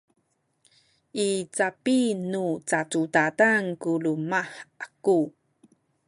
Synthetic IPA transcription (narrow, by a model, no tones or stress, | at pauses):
ʔit͡sapinut͡sat͡sutataŋkulumaħʔaku